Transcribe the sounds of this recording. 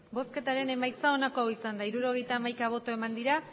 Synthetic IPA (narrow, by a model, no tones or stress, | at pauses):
bo̞ske̞t̪aɾe̞ne̞majt͡sao̞nako̞isand̪aiɾuɾo̞ɣ̞e̞jt̪aːmajkaβ̞o̞t̪o̞e̞mand̪iɾa